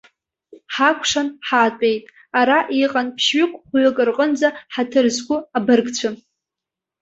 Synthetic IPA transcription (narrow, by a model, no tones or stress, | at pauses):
ħakʷʰʂanħaːtʷʼe̞jtʼ | aɾaʔiqʼanpʰʃɥʏkʷʼχʷɥʊkʼɨrqʼənd͡zaħatʰɨrzɡʷʊabɨrɡt͡ɕʷʰa